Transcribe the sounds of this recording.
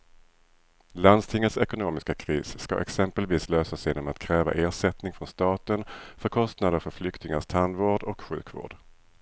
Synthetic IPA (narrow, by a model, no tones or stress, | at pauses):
land̪st̪ʰɪŋːət̪sɛkʊnoːmɪskakʰɾiːsska̰ʔɛ̰ksɛmpəlviːsløːsasjeːnɔmat̪kʰɾɛːva̰ʔeːʂɛt̪nɪŋfɾɔnst̪ɑːt̪ənfœɾkʰɔst̪nad̪əɾfœɾflʏkt̪ɪŋaʂt̪ʰand̪voːɖɔkɧʉ̟̰ːkvo̰ːɖ̥